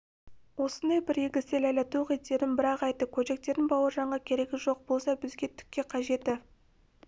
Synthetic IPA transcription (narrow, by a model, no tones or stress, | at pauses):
wo̞sənd̪ɑjbɪɾeɡʲɪselælɪt̪ʰuʁet̪ːe̞ɾɪnbɪɾɑqɑjt̪ːəkʲʰɵd̪e̞k̚t̪e̞ɾd̪ɪnbɑwəɾʒɑɴʁɑkʲʰe̞ɾe̞ɡʲɪʒo̞q̚bo̞lˠsɑbɪzɡʲe̞t̪ʰʏ̥kʲːe̞qʰɑʒe̞t̪ɪ